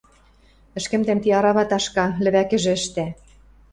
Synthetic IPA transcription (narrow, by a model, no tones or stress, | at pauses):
ɘ̆ʃkɘ̆mt̪ĕmt̪iɑɾɑβɑt̪ɑʃkɑlɘ̆βækɘ̆ʒɘ̆ɘ̆ʃt̪æ